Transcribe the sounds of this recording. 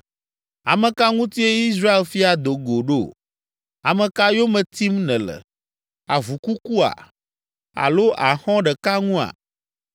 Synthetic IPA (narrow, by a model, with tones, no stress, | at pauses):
a̰˨mɛ̃˨ka˦ŋũ˦t̪i˦e˦i˦s̬ɾa˦e˨lfi˦a˨d̪o˨ɡo˨ɖo̰˦˨ | a˨mɛ̃˨ka˦jo˦mɛ̃˨t̪i˦mnɛ̃˨lɛ̰˨ | a̰˨vu˨ku˦ku˦a̰˨ | a̰˨lo˦ʔa˨xɔ̃˦ɖɛ˨ka˦ŋũ˦a̰˨